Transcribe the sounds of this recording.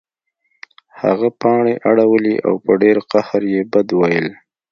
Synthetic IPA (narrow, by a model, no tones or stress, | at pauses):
ha̰ɣapɑɳeʔaɽawəliʔa̰wpəɖeɾqahaɾjebad̪wajəl